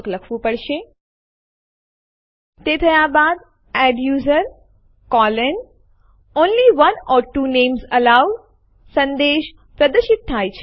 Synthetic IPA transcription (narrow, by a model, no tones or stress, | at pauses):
kləkʰʋũpəɽʃe | t̪et̪ʰəjabad̪ | æɖjuːzəɾ | kɔlən | onliʋənɔːɾʈuːneːmzəlaʋ | sə̃nd̪eʃ | pɾəd̪əʃit̪̚t̪ʰajt͡ɕʰ